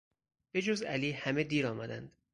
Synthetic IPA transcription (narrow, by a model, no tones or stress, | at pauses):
b̥e̞d͡ʒozæliːhæme̞d̪iːɾɒːmæd̪ænd̪̥